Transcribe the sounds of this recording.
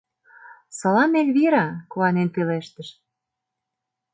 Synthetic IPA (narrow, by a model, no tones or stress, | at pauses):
sɤlɑmelʲβiɾɑkoɑnenpeleʃt̪ə̆ʃ